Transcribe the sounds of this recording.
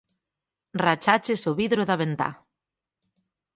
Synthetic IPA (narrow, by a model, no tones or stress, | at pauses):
rat͡ʃat͡ʃesoβiðɾoðaβent̪a̰